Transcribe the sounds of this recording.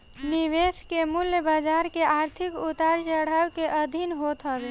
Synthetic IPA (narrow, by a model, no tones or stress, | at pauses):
niʋeskemʊljəbad͡ʒaɾkeʔaːɾt̪ʰikut̪aɾt͡ʃəɽ̤awkeʔəd̪ʱinɦot̪ɦɔbe